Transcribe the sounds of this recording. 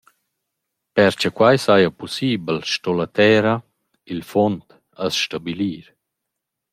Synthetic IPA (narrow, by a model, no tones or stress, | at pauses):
pɛɾt͡ʃəkwajsajapɔsiːbəlʃtɔlat̪ɛːɾa | ilfɔnt̪ | asʃtabiliːɾ